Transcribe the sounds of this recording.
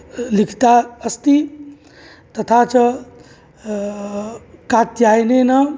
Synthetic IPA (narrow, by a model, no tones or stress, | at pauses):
likʰt̪aəst̪i | t̪ət̪ʰat͡ʃə | kat̪jajnenʌ